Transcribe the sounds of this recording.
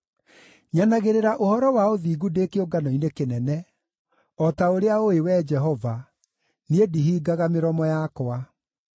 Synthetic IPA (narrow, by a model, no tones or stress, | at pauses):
ɲanaɣeɾeɾaʔohɔɾɔwaoðiːɣudeːkeoɡanɔinekenɛnɛ | ɔtaoɾeaoewɛd͡ʒɛɦɔva | niediɦiːɡaɣameɾɔmɔjakwa